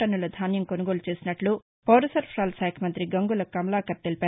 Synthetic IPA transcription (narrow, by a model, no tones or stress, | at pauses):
ʈɐnːulɐd̪ʱaːnjɐmkonɐɡoːlut͡ʃe̞ːsinɐʈlu | pɐwɾɐsɐɾpʰɾaːlsaːkʰɐmɐnt̪ɾiɡɐŋɡulɐkɐmɐlaːkɐɾt̪elipaː